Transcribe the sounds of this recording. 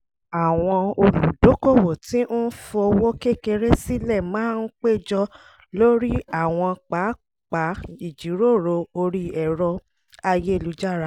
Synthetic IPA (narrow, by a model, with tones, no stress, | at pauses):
a˨w̃ɔ̃˧o˧lu˨do˨˦ko˦˨wo˨ti˦n̩˦fɔ˧ɔ˧wo˦ke˦ke˧ɾe˦si˦lɛ˦˨mãː˦n̩˦k͡pe˦˨d͡ʒɔ˧ | lo˦ɾi˦a˦˨w̃ɔ̃˧k͡pa˨˦ | k͡pa˨˦i˦˨d͡ʒi˨˦ɾo˦˨ɾo˧o˧ɾi˧ɛ˨ɾɔ˧ | a˧je˦e˧˨lu˨˦d͡ʒa˦˨ɾa˦